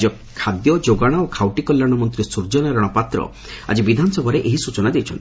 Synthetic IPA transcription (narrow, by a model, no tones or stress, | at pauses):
d͡ʒɔ | kʰad̪jɔd͡ʒoɡaɽ̃aokʰawʈikɔlːaɽ̃ɔmɔnt̪ɾisuɾd͡ʒɔnaɾaɽ̃ɔpat̪ɾɔ̰ | a̰d͡ʒibid̪ʱanɔsɔbʱɔɾeʔeɦisut͡ʃɔnad̪et͡ʃʰɔnt̪i